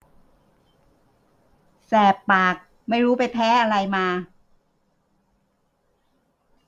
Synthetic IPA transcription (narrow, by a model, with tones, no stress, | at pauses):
sɛː˨˩pːaː˨˩k̚ | ma˥˩jɾuː˦˥pa˧jpʰɛː˦˥ʔa˧ɾa˧jmaː˧